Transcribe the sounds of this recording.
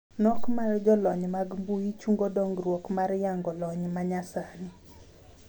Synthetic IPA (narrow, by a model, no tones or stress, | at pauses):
nɔkmard͡ʒɔlɔɲmaɡmbuit͡ʃuŋɡodɔŋɡrwokmaɾjaŋɡɔlɔɲmaɲasanɪ